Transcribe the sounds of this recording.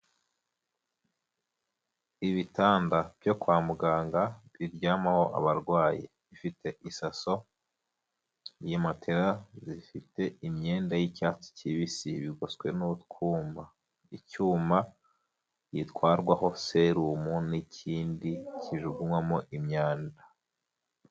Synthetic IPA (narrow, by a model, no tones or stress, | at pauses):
iβitaːndab̥jo̞kwaːmuɡaːŋɡaβiɾɟaːmaho̞ʔa̰βaɾɡwaːji | βifitʰe̞ʔisaso̞ | jematʰe̞ɾazifite̞imɲeːndajicaːt͡si̥ciβisiβiɡoskwe̞nutkʰuːmba | icuːma | jitkwaːɾɡwaɦo̞se̞ɾuːmunicʰiːndiciʒuɡumwamoʔimɲaːnda